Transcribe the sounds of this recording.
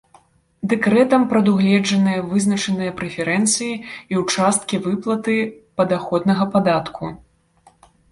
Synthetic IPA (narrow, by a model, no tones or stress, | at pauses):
d̪ɛkɾɛt̪ɐmpɾɐd̪uɣlʲɛd͡ʐɐnɨjɐvɨznɐt͡ʂɐnɨjɐpɾɛfʲɛɾɛnt̪sɨjiiwt͡ʂast̪̚kʲivɨplˠɐt̪ɨpɐd̪axɔd̪nɐɣɐpad̪at̪kʰu